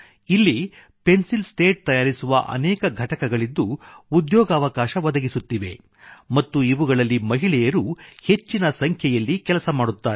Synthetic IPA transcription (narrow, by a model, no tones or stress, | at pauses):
ilːi | pe̞nsilsʈe̞ːʈ̚t̪ɐjaːɾisuʋɐ̰ʔɐ̰nɛːkɐɡʱɐʈɐkɐɡɐɭid̪ːuːd̪jɔːɡɐːʋɐkaːʃɐʋɐd̪ɐɡisut̪ːiʋe̞̰ | mɐt̪ːuiʋuɡɐɭɐlːimɐɦiɭɛjɐɾuhe̞t͡ʃːinɐsɐŋkʰjɐjɐlːikɛlɐsɐmaːɽut̪ːaːɾ